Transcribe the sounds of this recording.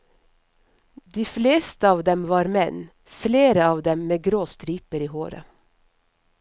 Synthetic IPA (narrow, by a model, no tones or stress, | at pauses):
d̪iːfleːst̪əɑːʋd̪ɛmʋɑːɾmɛn | fleːɾəɑːʋd̪ɛmmeːɡɾoːst̪ɾiːpəɾiːhoːɾə̰